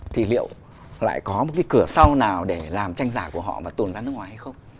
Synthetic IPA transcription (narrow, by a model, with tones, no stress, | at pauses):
t̪ʰi˧˩lḭ˧˨əw | la̰ː˧˨jkɔ˨˦mo˨˩t̚ka˨˦kɨ˧˩əsa˧wnaː˨˩wɗe˧˩laː˨˩mt͡ɕa˧jŋ̟zaː˧˩ku˧˩əɦhɔ̰˧˨maː˨˩t̪u˨˩nzaː˧nɨ˦˥kŋwaː˨˦jha˧jxə˧wŋ͡m